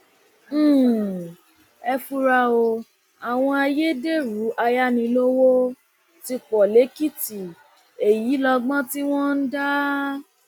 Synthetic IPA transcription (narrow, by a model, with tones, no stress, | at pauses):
ɛ˧fu˧ɾa˧o˧ | a˨w̃ɔ̃˧a˧je˦de˦˨ɾu˨˦ʔa˧ja˦nĩ˧lo˦wo˦ | ti˧k͡pɔ˨le˨˦ki˦ti˨ | e˨ji˨˦lɔ˧ɡ͡bɔ̃˦ti˦w̃ɔ̃˦n̩˦da˦